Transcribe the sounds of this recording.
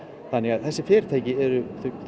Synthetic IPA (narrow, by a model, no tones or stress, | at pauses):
θanːɛɣaðθɛsːɪfɪːɾ̥t̪ʰaːjcɪɛɾʏθʏ